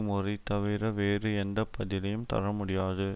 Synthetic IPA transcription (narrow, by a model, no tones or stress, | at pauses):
mʊrɪt̪ːɐʋɪɾɐʋeːrɯɛnd̪ɐpʰːɐðɪlɐjɯmt̪ɐ̰ɾɐmʊɽɪjaːðɯ